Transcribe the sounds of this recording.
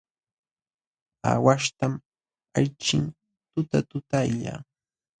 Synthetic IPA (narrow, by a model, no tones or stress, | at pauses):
a̰waʃt̪am | ajt͡ʃɪŋ | t̪ʊt̪at̪ʊt̪ajʎa̰ː